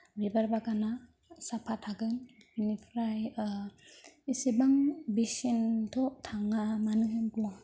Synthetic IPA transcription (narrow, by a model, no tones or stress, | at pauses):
bibaɾbaɡana | sapʰatʰaɡɯn | binipʰɾaj | isibaŋbesentʰɔtʰaŋamanɯɦɯnbua